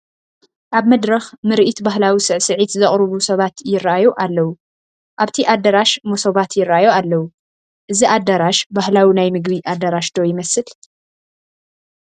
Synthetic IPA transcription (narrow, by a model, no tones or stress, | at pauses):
ʔaβmɐd̪ɾɐxmɨɾʔit̪baɦlawisɨʕsɨʕit̪zɐχʼɾɨβusɐβat̪jɪrːʔajoʔalːɐwu | ʔaβt̪ʰiʔad̪ːɐɾaʃmosoβat̪jɪrːajoalːɐwu | ʔɨziʔad̪ɐɾaʃbahlawinajmɨɡβiʔad̪ːɐɾaʃd̪o̞jɪmɐsɨl